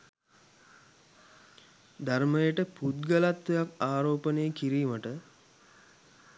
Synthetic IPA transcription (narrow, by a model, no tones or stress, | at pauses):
d̪arməjəʈəput̪̚ɡəlat̪ʋejakaːɾoːpənejəkiɾiːməʈə